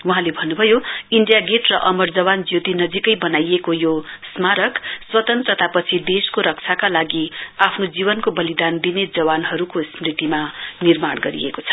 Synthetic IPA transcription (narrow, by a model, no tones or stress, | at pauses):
wuɦãlebʱʌnːubʱʌjoiɳɖijaɡeʈrʌʔʌmʌrd͡zʌwand͡zjot̪inʌd͡zikʌjbʌnajekojosmaɾʌkswʌt̪ʌnt̪rʌt̪apʌt͡sʰid̪eskoɾʌk̚t͡sʰakalaɡiapʰnod͡zibʌnkobʌlid̪and̪ined͡zʌwanɦʌɾukosmrit̪imanirmaɽɡʌɾḭḛkot͡sʰʌ̥